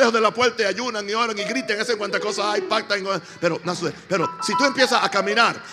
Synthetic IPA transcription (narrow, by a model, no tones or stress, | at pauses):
ehozðelapwelt̪aaʝunaŋio̞ɾaŋiɣɾit̪eŋeseŋkwant̪ako̞saajpak̚t̪aeŋo | pe̞ɾo̞nasepe̞ɾosit̪ue̞mpje̞saakamĩnaɾ